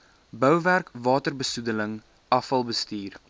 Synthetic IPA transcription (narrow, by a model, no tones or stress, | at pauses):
bœwværkvɑːtərbəsudələŋ | ɐfɐlˠbəstiːr